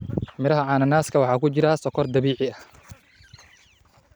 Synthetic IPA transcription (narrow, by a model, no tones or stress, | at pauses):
mɪɾɐɦɐʕɑːnɐnaːskʰɐwɑħɑːkʰʊt͡ʃɪɾɐsɔkʰɔrd̪ɐβiːʕɪɐ